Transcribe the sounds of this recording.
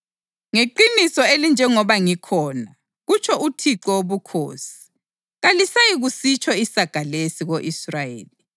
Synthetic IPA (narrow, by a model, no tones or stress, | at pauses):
ŋeǃinisɔelind͡ʒʱɛŋɔβaŋikʰɔːna | ɣut͡ʃʰɔʔutʰiǃɔwoβukʰo̰ːsi̥ | ɣalisajiɣusit͡ʃʰɔisaɡ̥ʱalesiɣoʔisrajḛːli